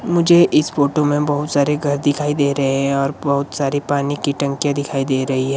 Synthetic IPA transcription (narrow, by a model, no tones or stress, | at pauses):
mʊd͡ʒʱeʔɪsfoːʈomẽbɐɦʊt̪saːɾeɡʱɐɾd̪ɪkʰaːid̪eːɾɐɦeɦɛ̃ɔːɾbɐɦʊt̪saːɾipaːnikiʈɐ̃ŋkijãd̪ɪkʰaːid̪eːɾɐɦiɦɛ̃ː